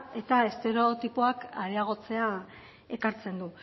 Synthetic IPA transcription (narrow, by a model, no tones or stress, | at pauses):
e̞t̪ae̞st̪e̞ɾot̪ipoakaɾeaɣ̞o̞t͡se̞a | e̞kaɾt͡se̞nd̪u